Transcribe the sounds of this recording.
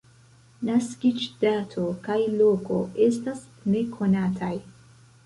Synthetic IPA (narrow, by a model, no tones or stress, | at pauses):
naskid͡ʒdatʰo̞kajlo̞ko̞e̞stas | ne̞kʰo̞natʰaj